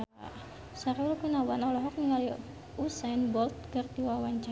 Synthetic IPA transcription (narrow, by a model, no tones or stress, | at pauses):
a | saɾulukunawanɔlɔɦɔk̚niŋali | usajnbɔlt̪̚kərt̪iwawaɲt͡ʃa